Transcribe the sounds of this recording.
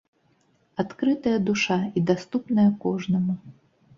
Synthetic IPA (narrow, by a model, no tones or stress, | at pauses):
at̪kɾɨt̪ɐjɐd̪uʂaid̪ast̪upnɐjɐkɔʐnɐmu